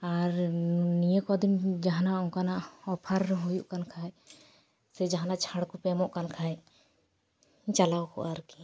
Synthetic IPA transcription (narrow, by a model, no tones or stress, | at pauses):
aɾnijəkɔd̪imd͡ʒaɦanaʔɔŋkanaʔɔpʰaɾɛɦujuʔkankʰaj | sɛd͡ʒaɦanaʔt͡ʃʰaɽkupɛmɔʔkankʰaj | t͡ʃalawkɔ̰ʔaɾki̥